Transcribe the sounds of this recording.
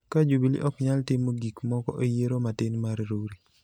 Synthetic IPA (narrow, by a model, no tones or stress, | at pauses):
kad͡ʒubilḭʔɔkɲaltɪmoɡikmɔkɔ̰ʔejeɾomatɪnmaɾɾoɾi